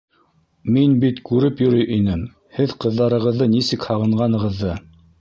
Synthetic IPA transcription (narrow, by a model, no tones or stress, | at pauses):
minbit̪kʉɾɘpjɵ̆ɾɵjʔinɘm | hɘðqɤ̆ðːɑɾɤ̆ʁɤ̆ðːɤnisɘkhɑʁɤ̆ɴʁɑnɤ̆ʁɤ̆ðːɤ